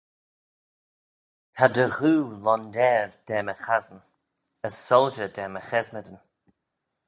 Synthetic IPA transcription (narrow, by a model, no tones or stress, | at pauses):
tʰadəɣuːlɔnd̪ɛɾd̥ɛːməxazən | əsːɔlˠʒədɛməxɛzmədən